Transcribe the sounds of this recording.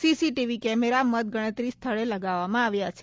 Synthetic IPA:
sisiʈiʋikɛmeɾamət̪̚ɡəɽ̃ət̪ɾist̪ʰəɭeləɡaʋːamãaʋjat͡ʃʰe̥

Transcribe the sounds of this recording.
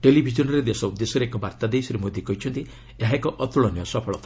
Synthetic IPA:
ʈelibʱid͡ʒɔnɔɾed̪esɔud̪ːesɔɾeekɔbaɾt̪ad̪esɔɾemod̪ʱikɔɦit͡ʃʰɔnt̪i | eɦaekɔʔɔt̪uɭɔnjɔsɔpʰɔɭɔt̪ʰa

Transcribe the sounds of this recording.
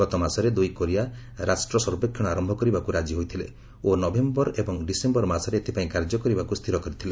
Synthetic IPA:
ɔt̪ɔmasɔɾed̪ujkoɾia | ɾasʈɾɔsɔɾbekʰːjɔɽ̃ɔaɾɔmbʱɔkɔɾibakuɾad͡ʒiɦojt̪ʰile | onɔbembɔɾebɔŋɖisembɔɾmasɔɾeːt̪ʰipaĩkaɾd͡ʒɔkɔɾibakust̪ʰiɾɔkɔɾit̪ʰile

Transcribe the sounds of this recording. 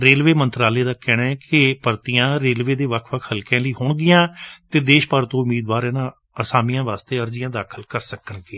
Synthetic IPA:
ɾeːlʋeːmənt̪ɾaːleːd̪aːkɛːɽãːɛkɪpəɾt̪ijãːɾeːlʋeːd̪eːʋəkʰʋəkʰhəlkɛ̃ːləiːɦʊɳɡɪjãːt̪eːd̪eːʃpəɾt̪õːʊmiːd̪ʋaːɾɛːnãː | əsaːmijãːʋaːst̪eːəɾd͡ʒɪjãːd̪aːkʰəlkəɾsəkəɳɡeː

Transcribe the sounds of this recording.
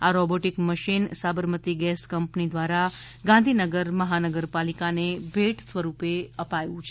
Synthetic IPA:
aɾɔboʈikməʃinsabəɾmət̪iɡɛskəmpnid̪ʋaɾa | ɡãnd̪ʱinəɡəɾməɦanəɡəɾpalikanebʱeʈsʋəɾupeəpajũt͡ʃʰe

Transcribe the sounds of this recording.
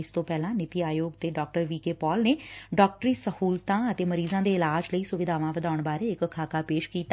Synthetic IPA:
ɪst̪õːpɛːlãːnɪt̪iːaːjoːɡt̪eːɖɔːk̚ʈəɾʋiːkeːpɔːlneːɖɔːk̚ʈɾiːsəhuːlt̪ãːət̪eːməɾiːzãːd̪eːɪlaːd͡ʒləiːsʊʋɪd̪ʱaːʋãːʋəd̪aːʊɳbaːɾeːɪkəkʰaːkaːpeːʃkiːt̪a

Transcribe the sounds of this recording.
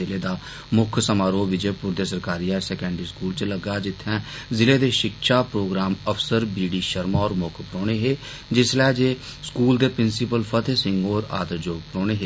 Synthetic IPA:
ɪleːd̪aː | mʊkʰsəmaːɾoːʋɪd͡ʒeːpʊɾd̪eːsəɾkaːɾiːɛːsɛːkɛ̃ːɳɖəɾiːskuːlt͡ʃləɡaːd͡ʒɪt̪ʰːɛ̃ːzɪleːd̪eːʃɪkʃaːpɾoːɡɾaːməfsəɾbiːɖiːʃəɾmaːɔːɾmʊkʰpɾoːɽ̃eːɦeː | d͡ʒɪslɛːd͡ʒeːskuːld̪eːpɾɪnsɪpəlpʰət̪ʰesɪ̃ŋɡoːɾa̰ːd̪əɾd͡ʒoːɡ̚pɾoːɽ̃neːɦeː

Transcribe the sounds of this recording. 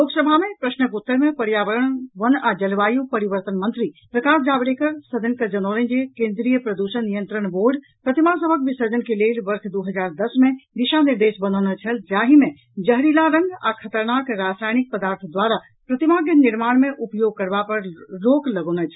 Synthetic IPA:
loksəbʱamepɾəsnəkut̪ːəɾmepəɾjaʋəɾənʋənad͡ʒəlʋajupəɾiʋəɾt̪ənmənt̪ɾipɾəkasd͡ʒabɽekəɾsəd͡ʒ̪ənkəd͡ʒənolənd͡ʒekẽnd̪ɾijəpɾəd̪usənːijənt̪ɾənʋoɾɖ | pɾət̪imasəbʱəkbisəd͡ʒənkelelʋəɾkʰd̪uɦəd͡ʒaɾd̪əsmẽd̪iʃaniɾd̪esbənonət͡ʃʰəld͡ʒaɦimẽ | d͡ʒəɦɾilaɾə̃ŋɡa̰kʰət̪əɾnakɾasajnik̚pəd̪aɾt̪ʰd̪waɾa | pɾət̪imaɡəniɾmaːnmeʔupjoɡ̚kəɾbapəɾɾokləɡonət͡ʃʰ

